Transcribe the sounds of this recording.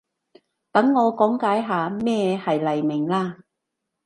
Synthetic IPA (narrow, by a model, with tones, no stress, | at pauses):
t̪ɐ˨˥ŋːɔː˨˧kɔː˨˥ŋkaː˨˥jɦaː˨˧mɛː˥˩hɐ˨jlɐ˨˩jmɪ˨˩ŋlaː˧